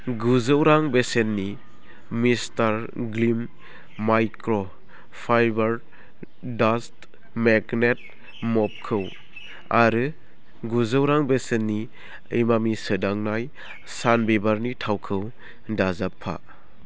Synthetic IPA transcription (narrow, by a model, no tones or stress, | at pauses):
ɡuzɯwɾaŋbesenːi | mistaɾɡlimː | ajkɾɔ | pʰajbaɾ | dast | meɡnet̚ | mɔp̚kʰɯw | aɾɯ | ɡuzɯwɾaŋbesenːi | ejmamisɯdaŋnaj | sanbebaɾnitʰawkʰɯw | dazapʰːa̰